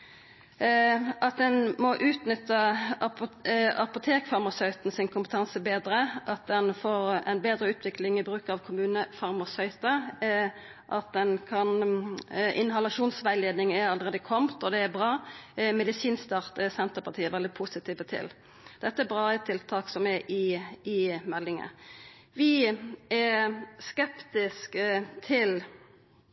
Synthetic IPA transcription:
ʔɑt̪̚d̪ɛnmɔʔʉːt̪nʏt̪ːə | ɑpʊt̪ʰeːkfɑʁmɑsœʏt̪n̩sɪnkʰʊmpət̪ʰɑnsəbeːd̪ɾəʔɑt̪̚d̪ɛnfoːʁɛ̰nbeːd̪ɾəʉːt̪ʰʋɪklɪŋɪbɾʉːkɑʋkʰʊmʉːnəfɑʁmɑsœʏt̪ə | ʔɑt̪̚d̪ɛnkʰɑn | ʔɪ̰nɦɑlɑʃuːnsʋæɪleːd̪nɪŋɛɾɑləɾeːd̪əkʰɔmt̪ɔd̪ɛæbʁɑːmɛd̪ɪsiːnst̪ɑʁt̪əsɛnt̪əpʰɑʁt̪ʰiːəɛʋɛld̪ɪpʰʊsɪt̪ʰiːʋət̪ʰɪ̰l | d̪̥ɛt̪ːəɛbʁɑːət̪ʰɪlt̪ʰɑːksɔmɛʔɪɪmɛlːɪŋə̰ | ʋɪɛskɛpt̪ɪskət̪ʰɪl

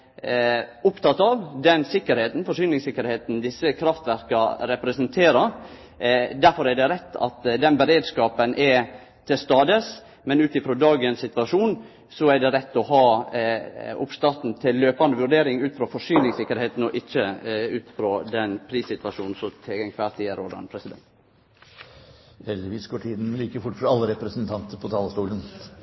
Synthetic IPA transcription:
ʊpt̪ʰɑt̪ːɑʋd̪ɛnsɪkːəɾheːt̪n̩fɔʂyːnɪŋsɪkːəɾheːt̪n̩d̪ɪsːəkʰɾɑft̪ʋæɾkɑɾɛpɾɛsɛnt̪ʰeːɾɑ | d̪æɾfɔɾæɖɛɾɛt̪ːɑ̰t̪d̪ɛnbɛɾeːd̪skɑːpənʔɛɾ | t̪ʰɪlst̪ɑːd̪əs | mɛnʉːt̪ɪfɾɔd̪ɑːɡənssɪt̪ʋɑʂuːn | sɔɛɖ̪ɛɾɛt̪ːɔɦɑː | ʊ̰pst̪ɑɾt̪n̩t̪ʰɪlːøːpɑnd̪əʋʉɾɖeːɾɪŋʉːt̪fɾɔfɔʂyːnɪŋsɪkːəɾheːt̪n̩ɔʔɪçːəʉːt̪fɾod̪ɛnpʰɾiːsɪt̪ʋɑʂuːnn̩sɔt̪ʰɛɡɛŋkʰʋæsiːəɾoːd̪ɑ̰npʰɾɛsɪd̪ɛ̰nt̪ | hɛld̪ɪʋiːsɡɔːʈʰiːd̪n̩liːkəɾfʊʈːfɾɑɑlːəɾɛpɾɛsənt̪ʰɑnt̪əɾpʰɔt̪ʰɑːlst̪uːlən

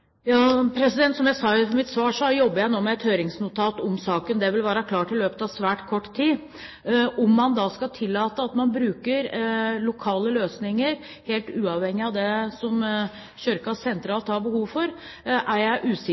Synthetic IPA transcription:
jɑːpʰɾɛsɪd̪ɛnt̪sɔmjæɪsɑːfɔmɪt̪sʋɑːʂɔjɔbːəjæɪnoːmɛɛt̪høːɾɪŋsnʊt̪ʰɑːt̪ɔmsɑːkənd̪ɛʋɪlʋæːɾəkʰlɑːʈɪlːøːpət̪ɑʋsʋæːʈkʰɔʈːt̪ʰiː | ʔɔmːɑnd̪ɑskɑt̪ʰɪlːɑːt̪əɑt̪mɑnbɾʉːkəɾlʊkʰɑːləløːsnɪŋəɾ | heːlt̪ʉːɑʋhɛŋːɪɑʋd̪ɛsɔm | ɕœɾkɑsɛnt̪ɾɑːlt̪hɑɾbəhuːʋfɔɾ | ʔæɾjæɪʔʉːsɪ

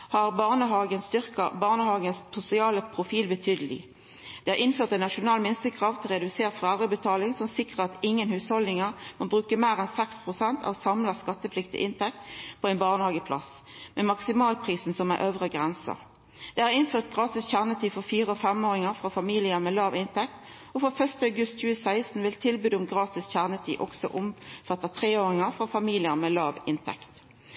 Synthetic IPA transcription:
hɑʁbɑʁnəɦɑːɡənst̪ʏʁkəbɑːʁnəhɑːɡənssʊsɪɑːləpʰʁʊfiːlbət̪ʰyːd̪əlɪ̰ | d̪̥ɛhɑʁʔɪnføːʁt̪ɛnɑʃʊnɑːlmɪnst̪əkʰʁɑːʋt̪ʰɪlʁɛd̪ʉseːʁt̪fʁɑæʁəbət̪ʰɑːlɪŋsɔmsɪkʁəʁɑt̪ɪŋːənhʉːshɔld̪ɪŋəʁmɑbʁʉːkəmeːʁɛnsɛkspʰʁʊsɛnt̪ʰɑ̰ːʋsɑmlɑskɑt̪ːəpʰlɪkt̪ɪ̰ʔɪnt̪ʰɛk̚t̪pʰɔɛɪnbɑːʁnəhɑːɡəpʰlɑ̰smɛmɑksɪmɑːlpʰʁiːsn̩sɔmɛ̰ʔøːʋʁəɡʁɛnsə̰ʁ | d̪̥ɛhæʁɪnføːʁt̪̚ɡʁɑːt̪ɪsçæʁnət̪ʰiːfɔfiːʁəɔfɛmoːʁɪŋəʁfʁɑfɑmiːlɪəmɛːlɑːʋɪnt̪ʰɛk̚t̪ | ɔfɔfœst̪əɑʉɡʉst̪c͡çʉːəsæɪst̪n̩ʋɪlt̪ʰɪlbyːd̪ʊmɡʁɑːt̪ɪsçæʁnət̪ʰḭːʔɔksɔ̰ʔʊmfɑt̪ːɑt̪ʰʁeːoːʁɪŋəʁfʁɑfɑmiːlɪəʁmeːlɑːʋɪnt̪ʰɛ̰kt̪

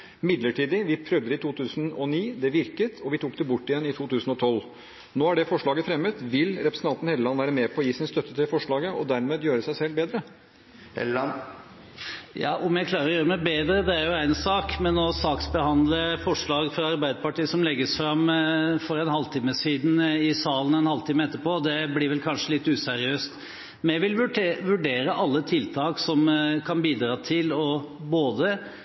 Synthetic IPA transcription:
mɪd̪ləʈiːd̪ɪʋɪpʰɾœʋd̪əɾɪt̪ʰuːt̪ʰʉːsnɔniːd̪ɛʋɪɾkət̪ʰɔʋɪt̪ʰuːk̚d̪ɛbʊʈːɪjɛnːɪt̪ʰuːt̪ʰʉːsn̩ɔt̪ʰɔl | noːhæɖɛfɔʂɭɑːɡəfɾɛmːət̪ʋɪlɾɛpɾəsn̩t̪ɑnt̪n̩heːləlɑnːʋæːɾəmeːpʰɔɔjiːsɪnst̪œt̪ːət̪ʰɪlfɔʂɭɑːɡəʔɔd̪æɾmeːd̪jøːɾəsæɪsɛlbeːd̪ɾə | jɑ̰ːʔʊmjæɡkʰlɑːɾəɾɔjøːɾəmæɪbeːd̪ɾəd̪ɛæɾjʊæɪnsɑːkmɛnɔsɑːksbəhɑnd̪ləfɔʂɭɑːɡfɾɑɑɾbæɪd̪əpɑʈiːəsɔmlɛɡːəsfɾɑmfɔɾɛnhɑlt̪ʰiːməsiːd̪n̩ɪsɑːlən̩ɛnhɑlt̪iːməɛt̪ːəpoːd̪ɛblɪːʋɛlkʰɑnʂəlɪt̪ːʉːsæɾɪøːst̪ | mɛʋɪlʋʋʉɖeːɾəʔɑlːət̪ʰɪlt̪ʰɑːksɔmkʰɑnbiːd̪ɾɑːt̪ʰɪlɔboːd̪ə

